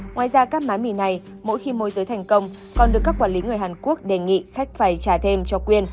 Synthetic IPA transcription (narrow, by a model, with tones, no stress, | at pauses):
ŋwaː˨jzaː˧kaː˦˥k̚maː˨˦jmi˧˩na˨˩j | mo̰˧˥jxi˧mo˨˦jzəː˨˦jt̪ʰɛ˨˩jŋ̟kə˧wŋ͡m | kɔ˨˩nɗɨ˨˩əkːaː˦˥kːwaː˧˩nli˨˦ŋɨ˨˩əjɦaː˨˩nku˦˥ək̚ɗe˨˩ŋḭ˧˨xa˦˥jk̟̚faː˧˩jt͡ɕaː˧˩t̪ʰe˧mt͡ɕɔ˧kwi˧ən